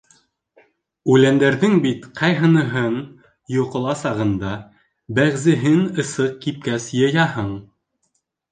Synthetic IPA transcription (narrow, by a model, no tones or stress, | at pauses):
ʉlænd̪æɾðɘŋbit̪qʰɑjɦɤ̆nɤ̆ɦɤɴ | jŭqɤ̆lˠɑsɑʁɤ̆nd̪ɑ | bæʁzɘ̆ɦɘnɤ̆sɤq̚kip̚kæsjɤ̆jɑhɤɴ